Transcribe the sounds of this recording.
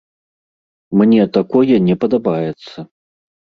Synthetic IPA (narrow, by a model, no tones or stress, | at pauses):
mnʲɛt̪akɔjɛnʲɛpɐd̪abajɛt̪sːɐ